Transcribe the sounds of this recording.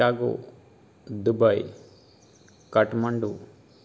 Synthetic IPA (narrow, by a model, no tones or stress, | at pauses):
aːɡo̰ | d̪ubɐj | kɐʈmɐɳɖu